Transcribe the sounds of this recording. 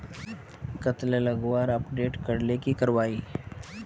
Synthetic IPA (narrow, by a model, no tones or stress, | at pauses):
kət̪lelɐɡwaːɾɐpɖeːʈkɐɾlekikɐɾʋaːiː